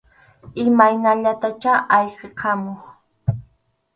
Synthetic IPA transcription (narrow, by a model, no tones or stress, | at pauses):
ɪmajnaʎat̪at͡ʃaʔɑʎqeqʰɑmoχ